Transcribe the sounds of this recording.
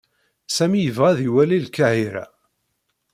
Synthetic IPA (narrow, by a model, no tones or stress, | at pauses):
sæmijəvʁæðiwælilkaʕiɾæ̰